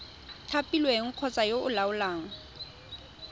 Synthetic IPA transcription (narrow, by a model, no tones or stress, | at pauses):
tʰapʼilweŋ̩q͡χʰɔt͡sʼajoʊlaʊlaːŋ̩